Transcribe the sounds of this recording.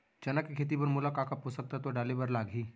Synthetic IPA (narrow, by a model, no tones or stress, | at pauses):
t͡ʃɐnəkːekʰeːt̪̬ipɐɾmʊlakaːkaposək̚t̪at̪oɖaːlebɐɾlaːɡɦiː